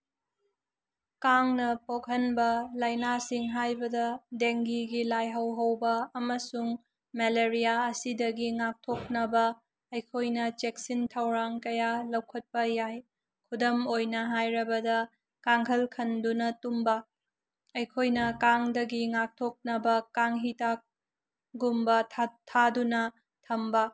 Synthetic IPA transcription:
kaŋnɐpok̚ɦɐnbɐlɐjnasiŋɦajbɐdɐdeŋɡiɡilajɦɐwɦɐwbɐːmɐsuŋ | meleɾijaɐsidɐɡiŋak̚tʰok̚nɐbɐ | ɐjkʰojnɐt͡ʃek̚sintʰɐwɾaŋkɐjalɐwkʰɐt̚pɐjaj | kʰudɐmojnɐɦajɾɐbɐdɐ | kaŋhʰɐlkʰɐndunɐtumbɐ | ɐjkʰojnɐkaŋdɐɡiŋak̚tʰok̚nɐbɐkaŋɦitak̚ | ɡumbɐtʰtʰadunɐ | tʰɐmbɐ

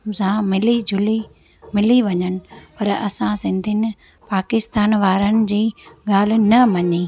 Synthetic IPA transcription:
sãmɪlid͡ʑʱʊli | mɪliʋɐɲənɪ̆pɐɾɐ̰sãsɪ̃nd̪ʱɪnɪ̆ | paːkɪst̪aːnʋaːɾənɪ̆d͡ʑiːɠaːl̤ɪ̆nɐʋɐɲiː

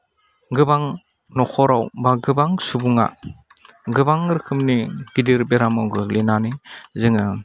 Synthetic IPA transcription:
ɡɯbaŋ | nɔkʰɔɾawbaɡɯbaŋsubuŋa̰ | ɡɯbaŋɾɯkʰɯmniɡ̥idiɾbeɾamawɡɯlinanizɯŋɯ

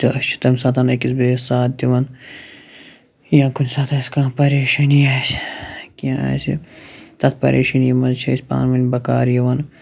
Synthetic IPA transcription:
t̪ɐɐʃt͡ʃʰi̥t̪ɐmsat̪ɐnɐkis̬beːsaːt̪̚d̪iʋɐn | jãːkʰunsaːt̪ʰɐskãːpɐɾeːʃɐnijɐskiãɐ̰sḭt̪ɐt̪̚ʰpɐ̰ɾʔḛːʃɐnijimɐnt͡ʃʰɐsʲpa̰ːnmɐnbɐka̰ːɾjɐʋɐn

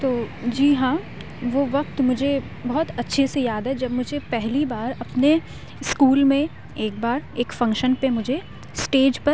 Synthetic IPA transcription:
t̪oːd͡ʒiːɦãː | ʋoːʋɐqt̪mʊd͡ʒʱe | bɐɦɔt̪ɐtːʃʰesejaːd̪ɦɛd͡ʒɐbmʊd͡ʒʱepɛɦlibaːɾɐpne | skuːlmẽ | eːk̚baːɾeːkfɐ̃ŋkʃənpemʊd͡ʒʱe | sʈeːd͡ʒpɐ

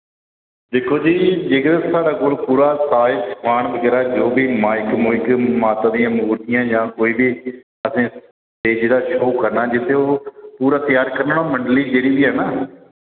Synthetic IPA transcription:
d̪eːkʰoːd͡ʒiːd͡ʒeːkd̪esaːɾaːkoːlpuːɾaːsaːɪskʰaːɳʋəɡɛːɾaːd͡ʒoːbʱiːmaːjɪkmoːɪkmaːt̪ãːd̪ijãːmʊːɾt̪ɪjãːd͡ʒãːkoːiːbiː | əsẽː | eːd͡ʒd̪aːʃoːkəɾnaːd͡ʒɪt̪ʰːeːoːpuːɾaːt̪ɪjaːɾkəɾnəːɽaːməɳɖliːd͡ʒeːɾiːbiːɦɛːnaː

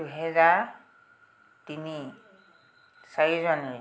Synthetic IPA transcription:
duɦɛza | tini | saɹizɔni

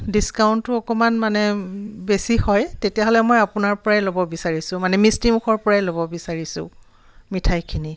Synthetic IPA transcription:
diskawntːʊɔkɔmanmanɛbesihɔjtetijaɦɔlɛmojapʊnaɹpɔɹaɛlobɔbisaɹisʊ̃manɛmistimuxʰɔɹpɔɹajlobɔbisaɹisʊ̰̃ | mitʰajkʰini

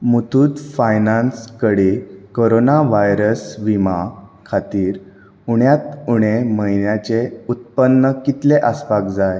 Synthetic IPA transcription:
mut̪ʰuːt̪fajnãnskəɽikoɾonaʋajɾəsʋimakʰat̪iːɾ | uɽjat̪uɽ̃eməɦinjat͡ɕeut̪̚pənːəkit̪leʔəspakd͡zaj

